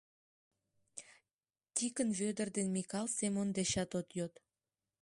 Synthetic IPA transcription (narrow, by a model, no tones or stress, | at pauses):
t̪ʲikənβød̪ərd̪enmʲikɑlˠsemond̪eʃɑt̪ot̪jot̪